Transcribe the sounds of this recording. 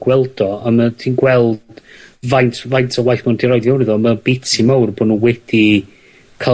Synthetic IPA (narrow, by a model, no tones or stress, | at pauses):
ɡ̥wɛlˠd̥ɔamatʰiːnɡwɛlˠd̥vajntʰvajntʰɔwajθmandiɾɔjdjawniðɔmabɪtʰimawrbɔnuwɛd̥i | kʰa